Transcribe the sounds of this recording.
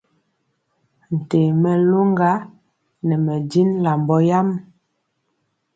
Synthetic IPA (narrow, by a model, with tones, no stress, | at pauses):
n̩˨te˨mɛ˨lo˦ŋɡa˦ | nɛ˨mɛ˨di˦nla˨mbɔ˦ja˦m